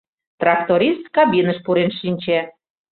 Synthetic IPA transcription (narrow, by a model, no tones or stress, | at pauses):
t̪rɑk̚t̪oɾʲist̪kɑbʲinəʃpuɾenʃinʲt͡ɕe